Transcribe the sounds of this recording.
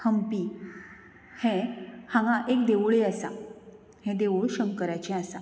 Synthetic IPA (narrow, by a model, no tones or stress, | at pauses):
həmpi | hɛ̃hãŋɡãʔekd̪eʋɭeasa̰ | hɛ̃d̪eʋoɭɕəmkəɾajt͡ɕɛ̃asa